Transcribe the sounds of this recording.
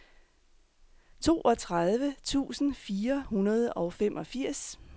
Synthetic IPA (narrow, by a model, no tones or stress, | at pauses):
t͡sʰo̝̰ːʔɒ̽t͡sʰʁað̞ˠʋət͡sʰṵːsn̩fiːɐhunɐð̞ˠəɒ̽ʊfem̰ʔɒ̽fiɐ̰s